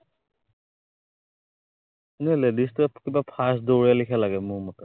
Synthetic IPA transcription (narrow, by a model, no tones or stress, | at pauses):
enɛɦɔlɛdistapkibapʰasdoɹijalikʰalaɡɛmʊmɔtɛ